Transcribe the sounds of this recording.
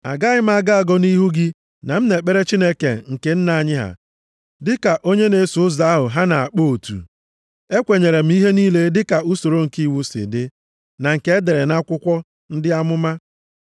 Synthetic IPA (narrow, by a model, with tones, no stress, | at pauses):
a̰˨ɡa˦ɣɪ˦m̩˦a˦˨ɡa˦a˨ɡɔ˦ni˦ɦu˦ɡɪ˦ | na˨m̩˦ne˨k͡pe˦ɾe˦t͡ʃi˦ne˦kḛ˨ŋ̩˨ke˨n̩˦na˨ɲɪ˦ɦa̰˨ | dɪ˦ka˨ʔo˦ɲe˦ne˨˦sʊ˨˦ʊ˦za˨˦a˦ɦʊ˨ɦa˦na˨a˨k͡po˦o˨tṵ˨ | e˦kʷe˨ɲe˨ɾe˨m̩˦i˦ɦe˦niː˦le˦dɪ˦ka˨u˦so˨ɾo˦ŋ̩˨ki˦˨wu˦sɪ̰˨dɪ˦ | na˨ŋ̩˨ke˦e˦de˨ɾe˨na˦kʷʊ˦kʷɔ˦ | n̩˦dɪ˦a˦mʊ˦ma˦